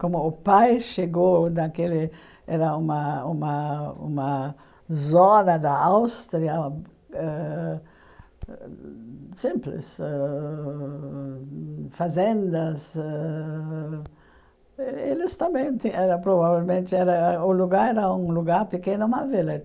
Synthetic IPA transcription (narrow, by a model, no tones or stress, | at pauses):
kõmʊːpajʃeɡonɐkelɪ | ɛɾɐumɐumɐṵmɐ | zɔnɐd̪ɐawst̪ɾiɐ | ɛ | sĩmplɪ̰sɛ | fazẽnd̪ɐsɛ | elɪst̪ɐ̃mbẽj̃t̪iɛɾɐpɾoβavelmẽnt̪ɪɛɾɐʊluɡaɾɛɾɐũŋluɡaɾpekenʊmavelɐ